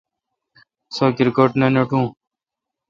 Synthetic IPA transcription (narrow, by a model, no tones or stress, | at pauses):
soːkiɾkoːʈnaːnoːʈũː